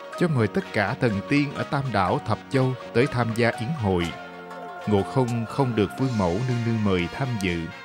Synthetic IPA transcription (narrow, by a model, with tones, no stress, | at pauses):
t͡ɕɔ˧wŋ͡mŋəː˨˩jt̪ə˦˥t̚kaː˧˩t̪ʰə˨˩nt̪i˧ənʔəː˧˩t̪aː˧mɗa̰ː˧˩wt̪ʰə˨˩p̚t͡ɕə˧wt̪əː˨˦jt̪ʰaː˧mzaː˧ʔi˨˦əŋɦo̰˧˨j | ŋo̰˧˨xə˧wŋ͡mxə˧wŋ͡mɗɨ˨˩ək̚kwi˧əŋmo̰˧˩wnɨ˧ŋnɨ˧ŋməː˨˩jt̪ʰaː˧mzɨ̰˧˨